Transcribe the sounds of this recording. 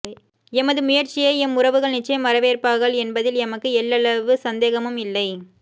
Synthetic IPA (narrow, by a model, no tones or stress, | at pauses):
ɛmɐðɯmʊjɐɾt͡ʃɪjɐːɛmʊrɐʋɯɣɐɭnɪt͡ʃːɐjɐmːɐɾɐʋeːrpaːɣɐɭɛnbɐðɪlɛmɐkːɯɛɭːɐɭɐʋɯsɐnd̪eːɣɐmɯmɪlːɐɪ